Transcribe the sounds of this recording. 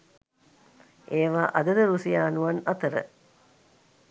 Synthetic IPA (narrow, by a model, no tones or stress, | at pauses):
eːʋaːʔad̪əd̪əɾusijaːnuʋanat̪əɾə̰